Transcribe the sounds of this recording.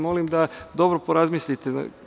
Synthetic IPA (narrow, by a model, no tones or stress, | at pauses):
mo̞limd̪ad̪o̞bɾopo̞ɾazmisʎit̪ḛ